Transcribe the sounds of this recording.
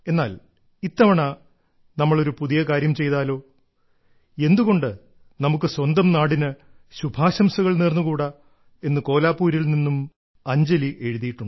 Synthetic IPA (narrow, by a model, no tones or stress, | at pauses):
e̞nːaːl | it̪ːɐʋɐɳɐ | nɐmːɐɭo̞ɾupuðijɐkaːɾjɐmt͡ɕe̞jt̪aːlo̞ː | e̞nd̪uɣo̞ɳɖɨ | nɐmukːɨswɐnd̪ɐmnaːɽinɨ | ɕubʱaːɕɐmsɐɣɐɭneːrnːukuːɽɐ | e̞nːɨko̞ːlaːpːuːɾilninːum | ɐɲd͡ʑɐliʔe̞ɻuðijiʈːuɳɖɨ